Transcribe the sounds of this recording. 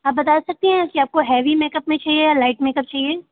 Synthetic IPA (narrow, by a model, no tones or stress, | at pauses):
aːp̚bɐt̪aːsɐk̚t̪eɦɛ̃kiaːp̚koɦɛːʋimeːkəpmẽt͡ʃaːɦiejaːlaːɪʈmeːkəp̚t͡ʃaːɦieː